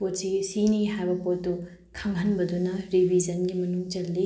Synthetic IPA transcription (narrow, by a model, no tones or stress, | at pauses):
potsisiniɦajbɐpotːu | kʰɐŋɦɐnbɐdunɐɾibʱid͡ʒɐnɡimɐnuŋt͡ʃɐlːi